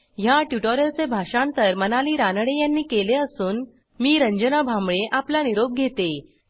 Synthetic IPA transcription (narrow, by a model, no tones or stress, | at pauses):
jaʈjuʈoɾəlt͡sebʱaʂãnt̪əɾmənaliːɾanəɽejanːiːkeleəsuːn | miːɾəɲd͡ʑənabʱamɭeʔaplaniɾob̚ɡʱet̪e